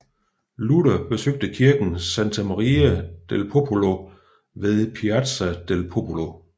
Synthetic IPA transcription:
luɾ̥ɐb̥e̝søɡ̥̚d̥əkʰiɐɡ̥n̩sænt͡sʰæmɑʁiæd̥elpʰopʰolo̝ | ʋe̝ðˠpʰiæd̥sæd̥elpʰopʰolo

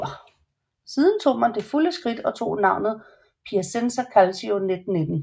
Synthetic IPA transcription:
siːð̞ˠn̩t͡sʰo̝̰ːmænd̥e̝fuləsɡ̥ʁid̥ɒ̽t͡sʰo̝̰ːnɑ̈ʊ̰nð̩ˠ | pʰiæsensɐkʰælsione̝d̥n̩ːed̥n̩

